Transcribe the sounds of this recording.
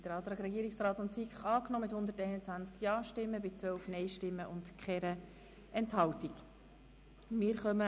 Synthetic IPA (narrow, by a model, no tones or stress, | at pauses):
d̥əɾɑt̪ɾɑkɾɛɡiːəɾiksrɑːt̪ʊntsikχɑːknɔːmɪthʊnd̪əɾtɛɪnət͡sʋænt͡skjɑːʃtɪmːəbɪt͡sʋœwfnɛɪʃtɪmːəʔʊntkχɛɾə | ʔɛnthɑwtik | mɪːɾχœmə